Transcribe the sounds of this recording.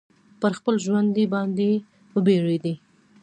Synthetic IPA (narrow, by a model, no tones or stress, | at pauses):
pəɾxpəlʒwand̪ebɑnd̪e | əbeɽed̪i